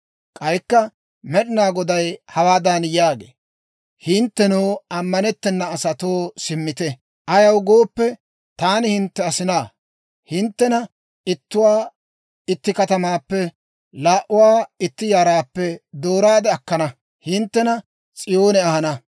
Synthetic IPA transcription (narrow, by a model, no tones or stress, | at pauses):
kʼɐjkːɐ | mɛɗɪnaːɡɔd̪ɐjhɐwaːd̪ɐnjaːɡḛː | hɪnt̪ːɛnoːɐmːɐnɛt̪ːɛnːɐːsɐt̪oːsɪmːɪt̪ɛ | ʔɐjɐwɡo̞ːpːɛ | t̪aːnɪhɪnt̪ːɛɐsɪnaː | hɪnt̪ːɛnɐ | ɪt̪ːʊwaː | ɪt̪ːɪkɐt̪ɐmaːpːɛ | laːʔʊwaːɪt̪ːɪjaːɾaːpːɛd̪oːɾaːd̪ɛɐkːɐnɐ | hɪnt̪ːɛnɐ | t͡sʼɪjo̞ːnɛɐhɐnɐ